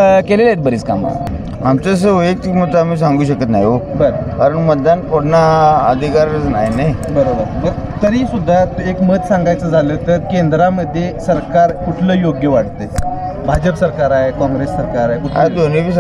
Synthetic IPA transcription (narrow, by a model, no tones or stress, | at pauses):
kelelet̪̚bəɾiːska̰ma̰ | amt͡səs̬əʋəek̚t̪mət̪amiːsaŋɡuːɕəkət̪na̰jobəɾobkaɾəɳməd̪ːanpoɽnaəd̪ʱikaɾət͡sna̰ɦjnejbəɾobəɾməɡt̪əɾiːsud̪ʱːat̪uekmət̪sãŋɡajt͡səd͡zʱaləːt̪əɾkend̪ɾaməd̪ʱːjesəɾkaɾkuʈʰləːjoɡjəʋaɽt̪et͡sbʱad͡ʑəpsəɾkaɾaɦekɔ̃ŋɡɾesːəɾkaɾaɦekuʈa̰d̪onibʱiːs